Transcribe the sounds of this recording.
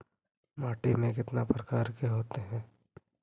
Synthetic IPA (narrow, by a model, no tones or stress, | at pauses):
maːʈimẽkɪt̪napɾɐkaːɾkeɦoːt̪eɦɛ̃ː